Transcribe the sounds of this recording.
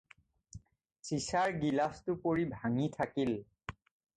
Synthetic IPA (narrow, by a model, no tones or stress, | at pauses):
sisaɹɡilastʊpoɹibʱaŋitʰakil